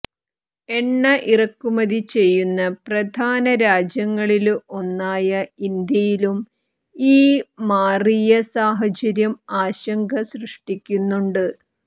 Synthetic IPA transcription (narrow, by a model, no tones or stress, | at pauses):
e̞ɳːɐʔirɐkːumɐðit͡ɕe̞jːunːɐprɐd̪ʱaːnɐɾaːd͡ʑjɐŋːɐɭiluo̞nːaːjɐind̪jɐjilum | iːmaːrijɐsaːɦɐd͡ʑɐɾjɐmaːɕɐŋɡʱɐsrɨʂʈikʲːunːuɳɖɨ